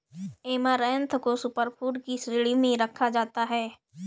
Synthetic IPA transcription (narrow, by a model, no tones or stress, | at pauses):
eːmaɾɛːə̃nt̪ʰkosʊpəɾpʰuːʈkisɾɪːɭimẽɾəkʰːad͡ʒaːt̪aɦɛː